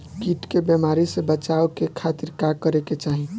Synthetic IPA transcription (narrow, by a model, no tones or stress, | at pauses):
kiʈkebemaɾisẽbət͡ʃaokekʰat̪iɾkakəɾeket͡ʃaɦi